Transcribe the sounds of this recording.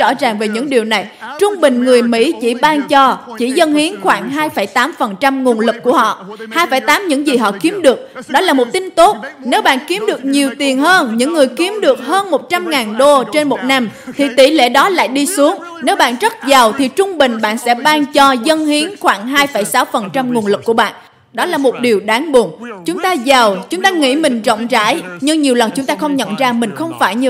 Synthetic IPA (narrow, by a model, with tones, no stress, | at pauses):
t͡ɕɔ̰˧˩za˨˩ŋve˨˩ɲɨ̰˧˥ŋɗi˨˩əwna˨˩jt͡ɕʊ˧ŋ͡mɓï˨˩ŋ̟ŋɨ˨˩əjmḭ˧˥t͡ɕḭ˧˩ɓaː˧ŋt͡ɕɔ˧t͡ɕi˧˩zə˧nhi˨˦ənxwaː˧˩ŋɦaː˧jfə˧˩jt̪aː˨˦mfə˨˩nt͡ɕa˧mŋ˨˩ənlɨ˨˩k̚ːu˧˩əhɔ̰˧˨haː˧jfaː˧˩jt̪aː˨˦mɲɨ̰˧˥ŋzi˨˩ɦɔ̰˧˨ki˨˦əmɗɨ˨˩ək̚ɗɔ˨˦laː˨˩mo˨˩t̚t̪ï˧n̟t̪o˦˥t̚ne˨˦wɓa̰ː˧˨nki˨˦əmɗɨ˨˩ək̚ɲi˨˩əwt̪i˨˩ənɦəː˧nɲɨ̰˧˥ŋːɨ˨˩əjki˨˦əmɗɨ˨˩ək̚həː˧nmo˨˩t̚t͡ɕa˧mŋaː˨˩nɗo˧t͡ɕe˧nmo˨˩t̚na˧mt̪ʰi˨˩t̪ḭ˧˩lḛ˧˥ɗɔ˨˦la̰ː˧˨jɗi˧su˨˦əŋ | ne˨˦wɓa̰ː˧˨nzə˦˥t̚za˨˩wt̪ʰi˨˩t͡ɕʊ˧ŋ͡mɓï˨˩ŋ̟ɓa̰ː˧˨nsɛ̰˧˥ɓaː˧ŋt͡ɕɔ˧zə˧nhi˨˦ənxwaː˧˩ŋɦaː˧jfə˧˩jsaː˨˦wfə˨˩nt͡ɕa˧mŋ˨˩ənlɨ˨˩kːu˧˩əɓa̰ː˧˨n | ɗɔ˨˦laː˨˩mo˨˩t̚ɗi˨˩əwɗaː˨˦ŋɓu˨˩ənt͡ɕʊ˨˦ŋ͡mt̪aː˧za˨˩wt͡ɕʊ˨˦ŋ͡mt̪aː˧ŋḭ˧˥mï˨˩ŋ̟zɔ̰˧˨wŋ͡mza̰ː˧˥jɲɨ˧ŋɲi˨˩əwlə˨˩nt͡ɕʊ˨˦ŋ͡mt̪aː˧xə˧wŋ͡mɲə̰˧˨nzaː˧mï˨˩ŋ̟xə˧wŋ͡mfaː˧˩jɲ˧